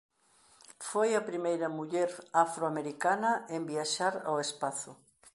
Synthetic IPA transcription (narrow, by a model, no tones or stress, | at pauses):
fojɐpɾimejɾɐmuʎɛɾafɾoameɾikanɐembiaʃaɾa̰wespaθʊ